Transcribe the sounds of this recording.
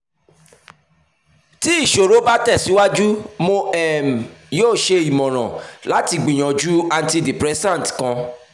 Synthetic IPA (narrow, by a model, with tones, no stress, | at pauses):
ti˦i˦˨ʃo˨ɾo˨˦ba˦tɛ˦˨si˨˦wa˦d͡ʒu˦mõ˧ɛ˦˨m̩˨joː˦˨ʃe˧i˨mɔ̃˨ɾ̃ã˨la˨˦ti˧ɡ͡bĩ˨j̃ɔ̃˨d͡ʒu˦a˧nti˧di˨pɾɛ˦sã˦˨n˨tkã˧